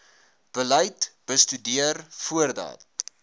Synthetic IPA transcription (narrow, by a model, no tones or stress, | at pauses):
b̥ələjtb̥əstydiərfuərdɑ̰ːt̚